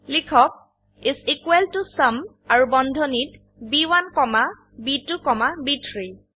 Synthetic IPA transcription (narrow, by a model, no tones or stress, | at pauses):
likʰɔk̚ | izikweltusəm | aɹubɔndʱɔnit | biwankɔma | bitukɔmabitʰɹi